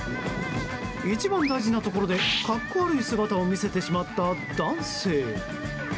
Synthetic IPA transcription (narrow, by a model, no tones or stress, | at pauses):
it͡ɕibãnd̪aiʑinat̪o̞ko̞ɾo̞d̪e̞kakːo̞aɾɯ̟isɨɡat̪ao̞mʲise̞t̪e̞ɕimat̪ːad̪ãɰ̃se̞ː